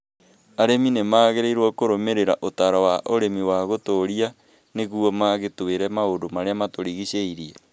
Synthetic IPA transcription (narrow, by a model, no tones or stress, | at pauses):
aɾeminemaːɣeɾeiɾwɔkoɾomeɾeɾaʔotaɾawaʔoɾemiwaɣotoɾia | neɣuɔmaɣetoeɾɛmaodomaɾeamatoɾiɣiɕeiɾiɛ